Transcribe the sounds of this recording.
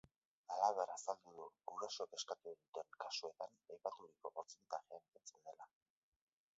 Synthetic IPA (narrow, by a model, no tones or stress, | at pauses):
alaβe̞ɾasald̪uðuuɾaso̞ke̞skat̪uenit̪e̞ŋkasue̞t̪anajpat̪uɾiko̞ʔoɾt͡siit̪axeant̪ent͡send̪e̞la